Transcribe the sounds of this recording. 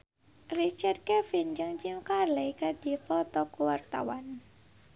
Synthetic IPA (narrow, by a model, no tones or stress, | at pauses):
rit͡ʃard̪̚kɛfind͡ʒɨŋt͡ʃimkarlɛjkadifɔt̪ɔkuwart̪a̰wan